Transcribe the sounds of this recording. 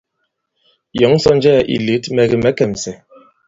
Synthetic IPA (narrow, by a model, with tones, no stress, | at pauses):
jɔ˨˦ŋ̩˦sɔ˦nd͡ʒɛ˦˨ʔḭ˨li˨˦tmɛ˨ɣi˨mɛ˨˦kɛ˨m˨sɛ˨